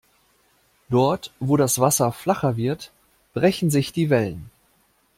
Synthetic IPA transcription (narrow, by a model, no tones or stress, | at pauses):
d̥ɔɐtv̥oːɾasv̥asɐflaχɐvɪɐt | b̥ʁɛçn̩zɪçd̥iːvɛlən